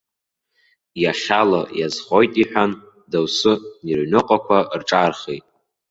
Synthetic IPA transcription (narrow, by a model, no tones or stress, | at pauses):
jaχʲalajazχojtʼiħʷᶣan | dawsɨnirnɨqʼakʷʰarʈ͡ʂʼarχejtʼ